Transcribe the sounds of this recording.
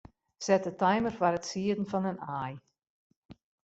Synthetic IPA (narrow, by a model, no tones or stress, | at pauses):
sɛtətajmərwaɾətsiədən̩fɔnənaːj